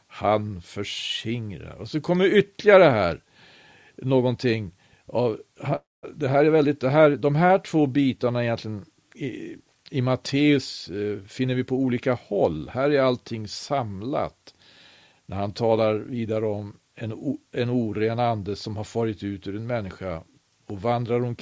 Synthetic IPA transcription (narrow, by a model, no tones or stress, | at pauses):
hanfœʂɪŋɾa̰ɾɔsɔkʰɔmːəʏt̪ːlɪɡaɾəhæ̰ːɾ | noːɡɔnt̪ʰɪŋː | avha | d̪ɛɦæːɾæɾvɛld̪ɪt̪̚d̪ɛɦæːɾd̪ɔmɦæːʈʰv̥oːbiːt̪aɳaɪjɛnt̪lɪɡən | ɪ̰ | ɪmat̪ʰeːɵsfɪnːəɾvɪpʰɔuːliːkahɔlːhæːɾæɾalt̪ʰɪŋːsamla̰t̪ | næɾhant̪ʰɑːlaɾviːd̪aɾəɔm | ɛnɛnuːɾeːnand̪əsɔmhaɾfœːɾɪt̪ʉ̟ːt̪ʉɾɛnmɛnːɪɧa̰ | ɔvand̪ɾaɾɔm